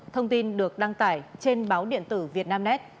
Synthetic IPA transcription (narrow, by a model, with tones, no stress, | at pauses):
t̪ʰə˧wŋ͡mt̪i˧nɗɨ˨˩ək̚ɗa˧ŋt̪aː˧˩jt͡ɕe˧nɓaː˨˦wɗḭ˧˨ənt̪ɨ˧˩vi˨˩ət̚naː˧mnɛ˦˥t̚